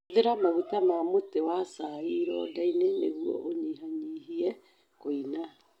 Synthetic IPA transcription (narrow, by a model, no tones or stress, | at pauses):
ðeɾamaβutamamotewasaiɾɔ̰dainenḛɣuɔ̰ʔoɲiɦaɲiːɦiɛ | koina